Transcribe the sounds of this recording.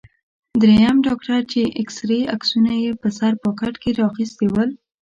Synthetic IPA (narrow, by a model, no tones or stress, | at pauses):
d̪ɾejamɖɑkʈaɾt͡ʃeʔɪksɾeaksunajepəsaɾpəkaʈkeɾɑxist̪ewəl